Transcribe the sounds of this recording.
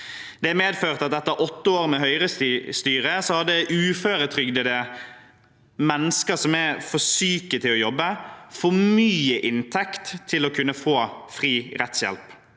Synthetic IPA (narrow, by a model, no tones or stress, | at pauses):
d̪̥ɛæmeːd̪føːʁt̪ɑt̪ɛt̪ːəɾʔɔt̪ːəoːɾmɛɦœʏɾəsst̪yːɾəsɔhɑd̪ːəʔʉːføːɾət̪ʰɾʏɡd̪əd̪ɛ | mɛnːəskəsɔmɛfɔsyːkət̪ʰɪlɔjɔbːəfɔmyːəʔɪnt̪ʰɛkt̪ʰːɪlɔkʰʉnːəfoːfʁiːɾɛt̪sjɛ̰lp